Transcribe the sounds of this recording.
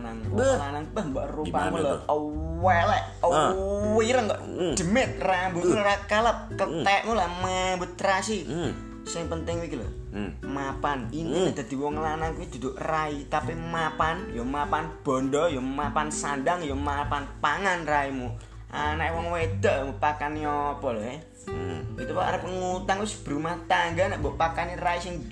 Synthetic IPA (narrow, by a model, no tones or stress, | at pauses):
naŋlanaŋtəhmbaʔrupamulɔəwɛlɛ | əwiɾəŋɡa̰ʔd̥̪ə̤mɪt̪̚rambulɾakələp̚kət̪ɛʔmulammbət̪̚ɾasi | sɪŋpənt̪ɪŋwikilə̰h | mapaninid̪̥a̤d̪̥i̤wɔŋəlanaŋkuid̪̥ṳd̪oʔrait̪apimapanjɔmapanb̥ɔ̤ndɔjɔmapansandaŋjɔmapanpaŋanraimu | ʔanaʔewɔŋwed̪aʔmupakaniɔpɔlɔɦɛ | ɡit̪upaa̰ɾəpəŋut̪aŋʊsb̥ə̤ɾumaht̪aŋɡanaʔbɔʔpakaniraisɪŋ